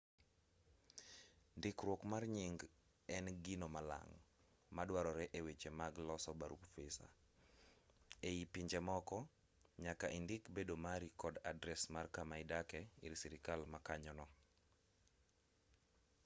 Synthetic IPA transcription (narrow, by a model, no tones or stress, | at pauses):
ndɪkɾwokmarɲiŋɡ | ɛnɡinomala̰ŋ | madwaɾɔɾɛʔewet͡ʃemaɡlɔsɔbaɾupfisa̰ | eipiɲd͡ʒɛmɔkɔ | ɲakaʔindɪkbedomaɾikɔdadɾɛsmarkamaɪdakɛḭɾsiɾikalmakaɲɔnɔ